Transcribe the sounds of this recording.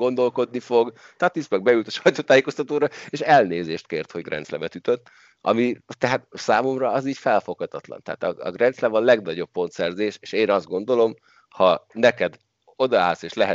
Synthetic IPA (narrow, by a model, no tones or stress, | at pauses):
ɡo̞nd̪o̞lko̞d̪nifo̞ɡ | t̪ɒt̪ismɛɡ̚bɛylt̪ɒʃɒjt̪oːt̪aːjeːko̞st̪ɒt̪oːɾɒeːʃɛlneːzeːʃt̪keːrt̪ho̞ɟɡrʔɛ̰nt̪slɛbɛt̪yt̪øt̪ː | ɒ̰mit̪ɛɦat̪saːmo̞mrɒɒziːɟfɛlfo̞khɒt̪ɒt̪lɒ̰nt̪ɛɦa̰ːt̪ɒ̰ɒ̰ɡrɛnt̪slɛvɒnlɛɡnɒɟo̞pːo̞nt̪sɛrzeːʃeːʃeːnɒzd̪ɡo̞nd̪o̞lo̞m | hɒnɛkɛd̪ | o̞d̪ɒa̰ːlseːʃlɛɦɛ